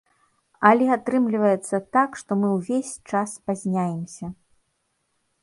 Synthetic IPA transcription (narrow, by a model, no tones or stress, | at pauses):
ɐlʲɛat̪ɾɨmlʲivɐjɛt̪sːɐt̪akʂt̪ɔmɨwvʲesʲt͡ʂaspazʲnʲajɛmsʲɐ